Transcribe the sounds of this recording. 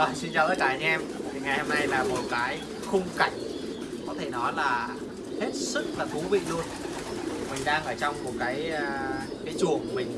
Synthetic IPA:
ɔ˨˩si˧nt͡ɕaː˨˩t̪əː˨˦˥kaː˨˩ʔa˧ŋ̟ʔɛ˧mt̪ʰi˨˩ŋa˨˩jho˧mna˧jlaː˨˩mo˨˩t̚kaː˨˦j | xə˧wŋ͡mka˧˩jŋ̟̚ | kɔ˨˦t̪ʰe˧˩nɔ˨˦laː˨˩ | he˦˥t̚sɨ˦˥k̚laː˨˩k̪u˨˦vḭ˧˨lu˧ən | mï˨˩ŋ̟ɗaː˧ŋʔəː˧˩t͡ɕɔ˧wŋ͡mmu˨˩ək̚kaː˨˦jkaː˨˦jt͡ɕu˨˩əŋ˨˩mï˨˩ŋ̟

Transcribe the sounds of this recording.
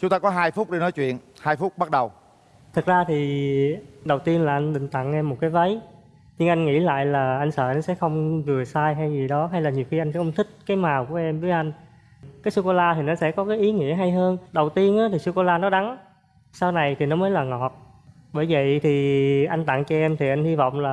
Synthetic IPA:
t͡ɕʊ˨˦ŋ͡mt̪aː˧kɔ˨˦ɦaː˧jfʊ˦˥k͡p̚ɗi˧nɔ˨˦jt͡ɕwḭ˧˨ənhaː˧jfʊ˦˥ɓa˦˥t̚ɗə˨˩w | t̪ʰɨ˨˩k̚zaː˧t̪ʰi˨˩ | ɗə˨˩wt̪i˧ənlaː˨˩ʔa˧jŋ̟ɗ̪ḭ̈˧˨ŋ̟t̪a̰˧˨ŋʔɛ˧mːo˨˩t̚kaː˨˦jvə˨˦j | ɲɨ˧ŋʔa˧jŋŋḭ˧˥la̰ː˧˨jlaː˨˩ʔa˧jŋ̟sə̰ː˧˩ʔa˧jnsɛ̰˧˥xə˧wŋ͡mvɨ˨˩əsaː˧jɦa˧jzi˨˩ɗɔ˨˦ɦa˧jlaː˨˩ɲi˨˩əwxi˧ʔa˧jŋ̟ɛ˧˥xə˧wŋ͡mt̪ʰï˦˥k̟̚kaː˨˦jmaː˨˩wku˧˩əʔɛ˧mvəː˨˦jʔa˧jŋ̟ | kaː˨˦jsu˧ko˧laː˧t̪ʰi˨˩nɔ˨˦sɛ̰˧˥kɔ˨˦kaː˨˦jʔi˨˦ŋḭ˧˥əɦa˧jɦəː˧nɗə˨˩wt̪i˧ənʔaː˨˦t̪ʰi˨˩su˧ko˧laː˧nɔ˨˦ɗa˨˦ŋ | saː˧wna˨˩jt̪ʰi˨˩nɔ˨˦məː˨˦jlaː˨˩ŋɔ˨˩t̚ | ɓəː˧˩jvə̰˧˨jt̪ʰi˨˩ʔa˧jŋ̟t̪a̰˧˨ŋt͡ɕɔ˧ʔɛ˧mt̪ʰi˨˩ʔa˧jŋ̟hi˧vɔ̰˧˨wŋ͡mlaː˨˩

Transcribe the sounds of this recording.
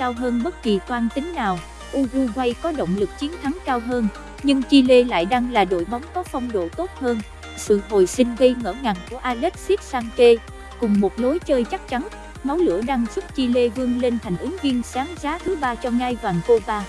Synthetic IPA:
kaː˧wɦəː˧nɓə˦˥t̚ki˨˩t̪waː˧nt̪ï˨˦ŋ̟naː˨˩w | ʔu˧ɣu˧ɣwa˧jkɔ˨˦ɗo̰˧˨wŋ͡mlɨ˨˩k̚t͡ɕi˨˦ənt̪ʰa˨˦ŋkaː˧wɦəː˧n | ɲɨ˧ŋt͡ɕi˧le˧la̰ː˧˨jɗa˧ŋlaː˨˩ɗo̰˧˨jɓɔ˨˦wŋ͡mkɔ˨˦fɔ˧wŋ͡mɗo̰˧˨t̪o˦˥t̚həː˧n | sɨ̰˧˨ɦo˨˩jsï˧ŋ̟ɣə˧jŋə̰ː˧˩ŋa˨˩nku˧˩əʔaː˧lɛ˦˥t̚si˦˥t̚saː˧ŋke˧ | kʊ˨˩ŋ͡mmo˨˩t̚lo˨˦jt͡ɕəː˧jt͡ɕa˦˥k̚t͡ɕa˨˦n | ma˨˦wlɨ̰˧˥əɗa˧ŋsu˦˥t̚t͡ɕi˧le˧vɨ˧əŋle˧nt̪ʰa˨˩jŋ̟ʔɨ˨˦ŋvi˧ənsaː˨˦ŋzaː˨˦t̪ʰɨ˨˦ɓaː˧t͡ɕɔ˧ŋaː˧jvaː˨˩ŋko˧ɓaː˧

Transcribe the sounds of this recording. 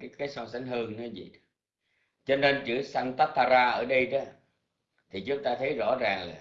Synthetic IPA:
aː˨˦kaː˨˦jsɔ˧sa˨˦ŋ̟ɦɨ˧əŋnɨ̰˨˦zḭ˧˨ | t͡ɕɔ˧ne˧nt͡ɕɨ˧˩əsa˧ŋt̪aː˦˥p̚t̪aː˧zaː˧ʔəː˧˩ɗə˧jɗɔ˨˦ | t̪ʰi˨˩t͡ɕʊ˨˦ŋ͡mt̪aː˧t̪ʰə˨˦jzɔ̰˧˥zaː˨˩ŋla̰˨˩

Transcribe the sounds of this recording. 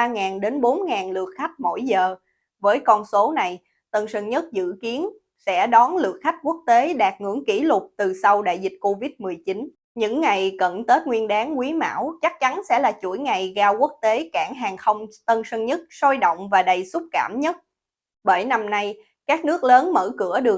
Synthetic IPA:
aː˧ŋaː˨˩nɗe˨˦nɓo˨˦nŋaː˨˩nlɨ̰˧˩ək̚xa˦˥jk̚mo̰˧˩jzəː˨˩ | vəː˨˦jkɔ˧nso˨˦na˨˩j | t̪ə˧nsə˧ŋɲə˦˥t̚zɨ̰˧˨ki˨˦ən | sɛ̰˧˥ɗɔ˨˦nlɨ̰˨˧˩ək̚xa˦˥jk̟̚ku˦˥ək̚t̪e˨˦ɗaː˨˩k̚ŋɨ̰˧˩əŋki˧˩lʊ˨˩k͡p̚t̪ɨ˨˩sa˧wɗa̰ː˧˨jzi˨˩t̟̚ko˧vi˦˥t̚mɨ˨˩əjt͡ɕi˨˦n | ɲɨ̰˧˥ŋːa˨˩jkə̰˧˨nt̪əː˦˥t̚ŋwi˧ənɗaː˨˦ŋkwi˨˦ma̰ː˧˥˩wt͡ɕa˦˥k̚t͡ɕa˨˦nsɛ̰˧˥laː˨˩t͡ɕṵ˧˩əjŋa˨˩jɣaː˧wku˦˥ək̚t̪e˨˦kaː˧˩ŋɦaː˨˩ŋxə˧wŋ͡mt̪ə˧nsə˧ŋɲə˦˥t̚sɔ˧jɗo̰˧˨wŋ͡mvaː˨˩ɗə˨˩jsʊ˦˥k͡p̚kaː˧˩mɲə˦˥t̚ | ɓə˧˩jna˧mna˧j | kaː˦˥k̚nɨ˦˥ək̚ləː˨˦nmə̰ː˧˩kɨ̰˧˩əɗɨ˨˩ə

